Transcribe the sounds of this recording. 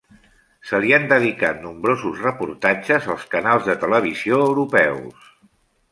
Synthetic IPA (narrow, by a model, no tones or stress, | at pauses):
səliənd̪əðikat̪̚numbɾozuzrəpuɾt̪ad͡ʒəzəlˠskənalˠzðət̪ələβ̞iz̥ioəwɾupɛws